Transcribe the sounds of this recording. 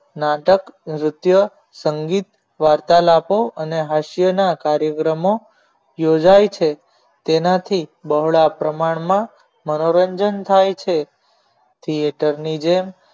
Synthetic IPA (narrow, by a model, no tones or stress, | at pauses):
naʈəkɾʊt̪jə | səŋɡit̪ | ʋaɾt̪alapoəneɦaʃjənakaɾjəkɾəmo | jod͡ʒajt͡ʃʰe | t̪enat̪ʰibəɦɭapɾəmaɳmã | mənoɾəɲd͡ʒənt̪ʰajt͡ʃʰe | t̪ʰieʈəɾnid͡ʒem